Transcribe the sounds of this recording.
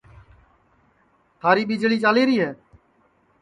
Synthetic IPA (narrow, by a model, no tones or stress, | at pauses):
t̪ʰaːɾiːɓid͡ʒɭiːt͡ʃaːleːɾiːɦɛː